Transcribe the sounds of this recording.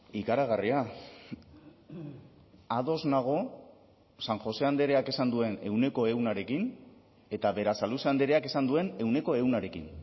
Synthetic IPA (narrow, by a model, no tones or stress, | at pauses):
ikaɾaɣ̞aria | aðo̞znaɣ̞o̞ | saŋxo̞se̞and̪e̞ɾe̞ake̞sand̪ue̞ne̞̰wne̞ko̞e̞wnaɾe̞kin | e̞t̪aβe̞ɾasaluseand̪e̞ɾe̞ake̞sand̪ue̞ne̞wne̞ko̞e̞uwnaɾe̞kḭn